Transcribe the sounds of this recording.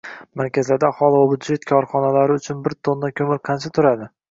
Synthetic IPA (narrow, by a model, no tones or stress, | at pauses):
maɾkʲʰazlaɾd̪aːχɒlˠɪvabʊd̪d͡ʒe̞t̪kʰɒɾχɒnalaɾɪʊt͡ʃʰʊnbɪɾt̪ʰonːakʲʰɵmɪɾqʰɑnt͡ʃʰat̪ʰʊɾad̪ɪ